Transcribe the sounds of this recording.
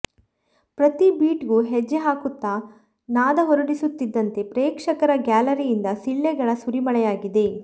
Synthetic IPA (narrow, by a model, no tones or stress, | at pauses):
pɾɐt̪ibiːʈɡuːɦed͡ʒːeɦaːkut̪ːɐ | naːd̪ɐɦoɾɐɽisut̪ːid̪ːɐnt̪e̞pɾeːkʂɐkɐɾɐɡaːlɐɾijind̪ɐsiɭːɛɡɐɭɐsuɾimɐɭɛjaːɡid̪e̞